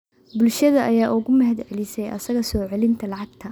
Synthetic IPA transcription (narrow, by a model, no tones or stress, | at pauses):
bʊlʃɐðɐʔɐjaːʔʊɣʊmɐɦɐd̪ʕɛlɪsɛjʔɐ̰sɐɣɐsɔːʕɛlɪnt̪ʰɐlɑʕɑɡt̪ʰɐ